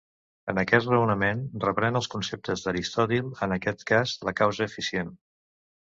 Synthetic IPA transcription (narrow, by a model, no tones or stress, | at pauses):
ənəkɛt̪rəwnəmenrəpɾɛnəlˠskunsep̚t̪əzðəɾist̪ɔt̪ilˠənəkɛt̪kazləkawzəːfisien